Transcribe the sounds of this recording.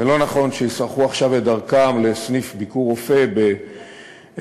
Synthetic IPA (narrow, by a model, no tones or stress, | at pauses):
zelo̞naχo̞nʃeisaʁχuaχʃavledaʁkamle̞snifbikuʁo̞fe̞be